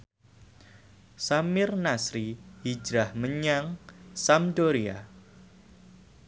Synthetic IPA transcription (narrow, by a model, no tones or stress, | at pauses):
samɪrnasɾihid͡ʒɾahməɲaŋsamdoɾia̰